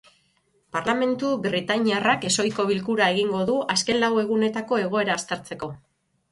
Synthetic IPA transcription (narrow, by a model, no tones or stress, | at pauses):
paɾlame̞nt̪ubɾit̪aɲiarake̞so̞jko̞β̞ilkuɾae̞ɣiŋɡo̞ðuʔaske̞nlawe̞ɣ̞une̞t̪ako̞e̞ɣ̞o̞e̞ɾaːst̪e̞ɾt͡se̞ko̞